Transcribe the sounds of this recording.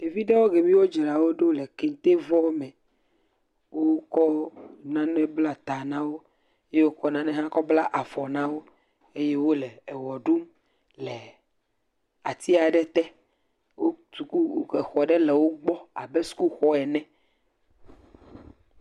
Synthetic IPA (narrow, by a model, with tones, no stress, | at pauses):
e˨vi˦ɖe˦wo˦ɡe˨mĩ˦wo˦d͡ʒe˨ɾa˨wo˦ɖo˦lɛ˨ke˨n˨˦t̪e˦vɔ˦mɛ̃˨ | wo˦kɔ˦nã˦nɛ̃˦bla˦t̪a˨nã˦wo˦ | e˦je˦wo˦kɔ˦nã˦nɛ̃˦ɦã˦kɔ˦bla˦ʔa˨vɔ˨nã˦wo˦ | e˦je˦wo˦lɛː˨wɔ˨ɖu˦m | lɛ˨ | a˨t̪i˦a˨ɖɛ˦t̪ɛ˦ | wo˦t̪u˨ku˦wo˦kɛ˨xɔ˨ɖɛ˦lɛ˨wo˦ɡ͡bɔ˦a̰˨bɛ˦su̥˦ku˦xɔ˦ɛ˨nɛ̃˦